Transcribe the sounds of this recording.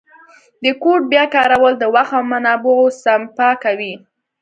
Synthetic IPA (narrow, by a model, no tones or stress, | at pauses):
d̪əkoʈ̚bjɑkɑɾawəld̪əwaxawmanɑbʊosampakawi